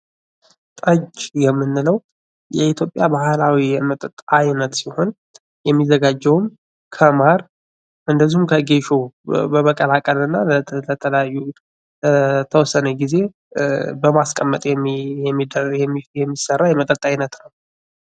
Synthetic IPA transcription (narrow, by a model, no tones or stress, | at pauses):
t̪ʼəd͡ʒjɛmːɨnːɨləw | jɛit̪ʰjo̞pʼjabahlawijɛmət̪ʼət̪ʼajnət̪siho̞n | jɛmːizəɡad͡ʒːɛwm | kʰəmaɾ | ʔɨnd̪əzihumkʰəɡe̞ʃobəməkʼəlakʼəlɨnːalət̪ʰələjajːu | t̪ʰəwɔsːənəɡize̞ | bəmaskʼəmːət̪ʼjɛid̪jɛjɛmːisərːajɛmət̪ʼət̪ʼajnət̪nəw